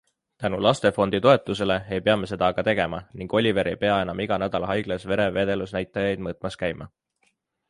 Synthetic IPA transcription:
t̪ænulɑst̪e̞fo̞nd̪̥it̪o̞e̞t̪ːˑuse̞le̞e̞jpe̞ɑmese̞d̪ɑɡ̥ɑt̪e̞ɡ̥e̞mɑniŋɡ̥o̞lʲive̞ɾejpe̞ɑe̞nɑmiɡ̥ɑnæd̪̥ɑlɑɦɑjɡ̥lɑsve̞ɾe̞ve̞ːd̪̥e̞lusnæjt̪ˑːɑjɑjd̪̚mɤːt̪ˑmɑskæjmɑ

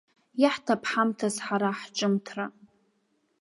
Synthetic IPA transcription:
jaħtʰapʰħamtʰazħaɾaħt͡ʃʼɨmtʰra

